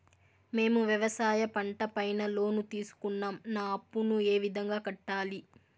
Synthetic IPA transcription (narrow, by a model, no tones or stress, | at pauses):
me̞ːmuʋjɐʋɐsaːjɐpɐɳʈɐpɐjnɐlo̞ːnut̪iːsu̥kunːaːmnaːɐpːunueːʋid̪ʱɐŋɡaːkɐʈːaːli